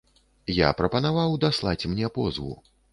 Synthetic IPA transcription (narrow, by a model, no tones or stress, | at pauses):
ja̰pɾɐpɐn̪avawd̪aslˠat͡sʲmnʲɛpɔzvṵ